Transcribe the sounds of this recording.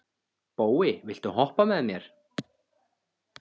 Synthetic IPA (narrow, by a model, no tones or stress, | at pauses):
poːwɪvɪl̥t̪ʏɦɔhpamɛðmjɛɾ̥